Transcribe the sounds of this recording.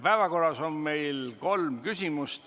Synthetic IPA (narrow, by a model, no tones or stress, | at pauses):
pæevɑko̞rːɑso̞nme̞jlko̞lmkysʲimust̪